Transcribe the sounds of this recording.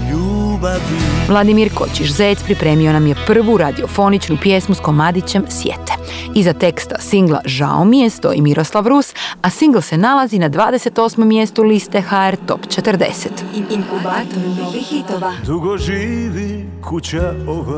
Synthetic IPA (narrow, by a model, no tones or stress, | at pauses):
ʎuːbavʋlˠad̪imiɾko̞̰t͡ɕiʃzejt̪spɾipɾe̞ːmio̞namje̞pr̩ʋuɾad̪io̞fo̞nit͡ʃnupje̞smusko̞mad̪it͡ɕe̞msjḛt̪e̥ | izat̪e̞kst̪a̰siŋɡla̰ʒa̰o̰mije̞st̪o̞̰ḭmiɾʔo̞slˠaʋɾusasiŋɡlˠse̞nalazinad̪ʋaːd̪ese̞t̪o̞ːsmo̞mːje̞st̪ulist̪e̞xaeɾt̪o̞̰pt͡ʃe̞t̪ərd̪e̞̰set̪kubat̪it̪oad̪uɡoʒiːʋi | kʰut͡ɕeo